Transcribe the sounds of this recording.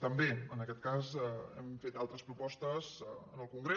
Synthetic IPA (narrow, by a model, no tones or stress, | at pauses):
t̪əmbeənəkɛt̪̚kazəɛ̰mfet̪alˠt̪ɾəspɾupɔst̪əzənəlˠkuŋɡɾe